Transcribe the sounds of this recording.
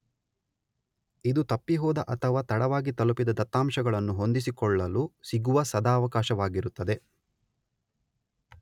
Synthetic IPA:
id̪ut̪ɐpːiɦɔːd̪ɐʔɐt̪ʰɐʋaːt̪ɐɽɐʋaːɡit̪ɐlupid̪ɐd̪ɐt̪ːaːmʃɐɡɐɭɐnːuɦo̞nd̪is̬ikɔɭːɐlusiɡuʋɐsɐd̪aːɐʋɐkaːʃɐʋaːɡiɾut̪ːɐd̪e̞

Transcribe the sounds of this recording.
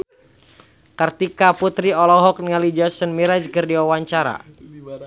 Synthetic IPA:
kərt̪ikaput̪ɾiɔlɔɦɔk̚niŋalid͡ʒɔsənmiɾɛd͡ʒkərdiwawaɲt͡ʃaɾa̰

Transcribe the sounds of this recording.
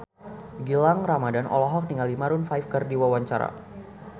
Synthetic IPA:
ɡilaŋramadanʔɔ̰lɔɦɔk̚niŋalimaɾʊnfajfkərdiwawaɲt͡ʃaɾa̰

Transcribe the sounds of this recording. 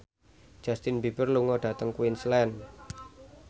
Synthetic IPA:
d͡ʒ̥ast̪ɪnbibərluŋɔɖ̥ä̤t̪əŋkuinslɛn

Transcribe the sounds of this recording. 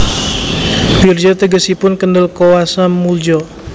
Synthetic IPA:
bird͡ʒɔt̪əɡəsipʊnkəndəlkowasamuld͡ʒɔ

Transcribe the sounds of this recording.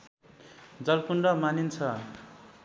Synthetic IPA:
d͡zʌlkuɳɖʌmanint͡sʰʌ

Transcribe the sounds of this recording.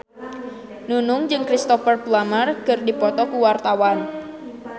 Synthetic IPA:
nunʊŋd͡ʒɨŋkɾist̪ɔfərplamərkɨrdipɔt̪ɔkuwart̪awan

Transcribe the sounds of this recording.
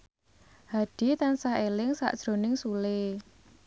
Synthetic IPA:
had̥i̤t̪ansaɦelɪŋsa̰ʔd̥ʒ̥ɾo̤nɪŋsule

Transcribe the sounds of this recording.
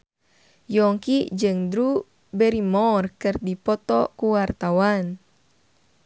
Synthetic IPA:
jɔŋkid͡ʒɨŋdɾu | bɛɾimɔrkɨrdipɔt̪ɔkuwart̪awan

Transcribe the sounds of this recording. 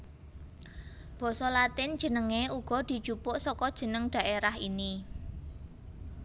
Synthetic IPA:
b̥ɔ̤sɔlat̪ɪn̥d͡ʒ̥ə̤nəŋeuɡ̥ɔ̤d̪̥i̤d̥ʒ̥upʊʔsɔkɔd̥ʒ̥ə̤nəŋɖ̥a̤ʔeɾahini

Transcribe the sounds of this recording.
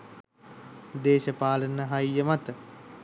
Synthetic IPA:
d̪eːʃəpaːlənəɦɐjjəmat̪ə

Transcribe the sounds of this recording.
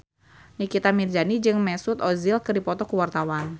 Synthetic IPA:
nikit̪amird͡ʒanid͡ʒɨŋmɛsut̪ɔzilkɨrdipɔt̪ɔkuwart̪awan

